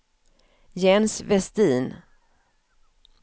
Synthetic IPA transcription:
jɛnsvɛst̪iːn

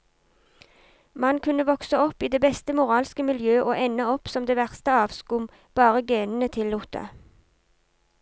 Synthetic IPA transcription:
mɑnkʰʉnəʋɔksəɔpːiːd̪eːbɛst̪əmʊʁɑːlskəmɪljøːʔoːʔɛnəɔpsɔmd̪eːʋæʁst̪əɑːʋskʊm | b̥ɑːʁəɡeːnn̩ət̪ʰɪlːuːt̪ʰə̰

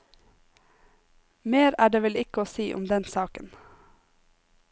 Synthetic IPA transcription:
meːɾæːɖeːʋɛlɪkəoːsiːʔʊ̰md̪ɛnsɑːkən

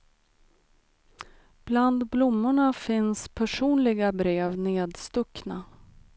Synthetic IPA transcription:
b̥land̪blʊmːʊɳafɪnspʰæʂuːnlɪɡabɾeːvneːd̪st̪ɵkːna

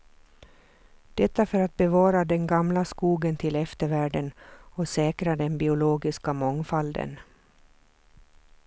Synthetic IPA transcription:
d̪̥ɛt̪ːafœɾat̪̚bɛvɑːɾad̪ɛnɡamlaskuːɡənt̪ʰɪlɛft̪əɾvæːɖənɔsɛːkɾad̪ɛnbɪʊloːɡɪskamɔŋfald̪ə̰n

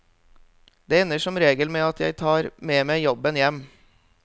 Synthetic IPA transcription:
d̪eːɛnːəʂɔmɾeːɡəlmeːɑt̪jæ̰ɪt̪ʰɑːɾmeːmæɪjɔbənjɛmː

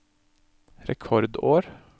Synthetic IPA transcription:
ɾɛkʰɔɾd̪oːɾ

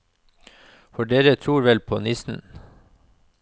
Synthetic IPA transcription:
fɔɖeːɾət̪ʰɾuːɾʋɛlpʰo̰ːnɪsn̩

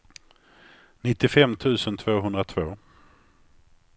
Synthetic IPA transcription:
nɪt̪ːɪfɛmːt̪ʰʉ̟ːsənt̪ʰv̥oːɦɵnd̪ɾat̪ʰvoː

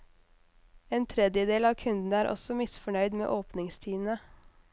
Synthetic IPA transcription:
eːnt̪ʰɾɛd̪jəd̪eːlɑːkʰʉnd̪n̩æːɾʔɔ̰sɔmɪsfɔɳœʏd̪mḛːʔoːpnɪŋst̪ʰiːn̩ə

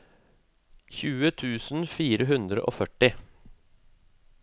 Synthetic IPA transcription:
çʉːət̪ʰʉːsn̩fiːɾəɦʉnd̪ɾə̰ʔo̰ːfœʈɪ

